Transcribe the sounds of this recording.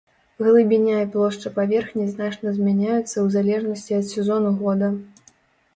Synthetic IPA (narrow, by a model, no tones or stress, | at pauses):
ɣlˠɨbʲinʲaiplˠɔʂt͡ʂɐpavʲɛrxnʲiznat͡ʂnɐzʲmʲanʲajut̪sːɐwzalʲɛʐnɐsʲt͡sʲiɐt̪sʲɛzɔnuɣɔd̪ɐ